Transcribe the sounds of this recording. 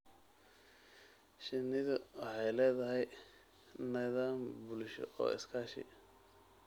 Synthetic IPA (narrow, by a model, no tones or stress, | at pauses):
ʃɪnɪðʊwɑħɑjlɛːðɐɦɛj | nɛðaːmbʊlʃɔ̰ʔɔ̰ːɪ̰skʰaːʃɪ̰